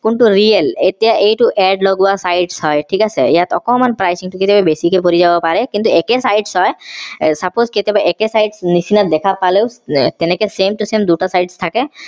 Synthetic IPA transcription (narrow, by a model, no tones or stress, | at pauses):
kunʈuɾielet̪ijaʔejʈuʔɛɖloɡuasajɖshɔjʈʰikasʰḛejat̪ɔkɔmanpɾajsiŋʈuket̪ebabesikepoɾid͡ʑabɔpaɾekint̪uekesajɖsɦɔesapozket̪ebeʔekesajɖsnisinad̪ekʰapalewt̪enekesemʈusemd̪uʈasajɖst̪ʰake